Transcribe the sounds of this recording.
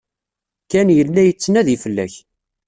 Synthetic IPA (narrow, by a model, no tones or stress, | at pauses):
kænjəlːæjət͡sːnæðifəlːæ̰ç